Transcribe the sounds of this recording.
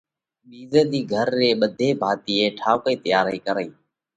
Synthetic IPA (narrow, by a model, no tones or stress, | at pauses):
ɓiːzeːɗ̪iːɡʱəɾːeːɓəd̪ʱeːbʱaːt̪iːeːʈʰaːʋkəiːt̪əjaːɾiːkəɾəiː